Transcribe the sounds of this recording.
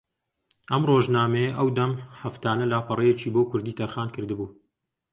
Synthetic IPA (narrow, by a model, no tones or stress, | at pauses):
ʔɐmroːʒnaːmɐjɐʔɐwd̪ɐmħɐft̪aːnɐlaːpɐrejet͡ʃiːboːwkʰʊɾd̪iːt̪ʰɐɾxaːnkʰɨɾd̪ɨbuː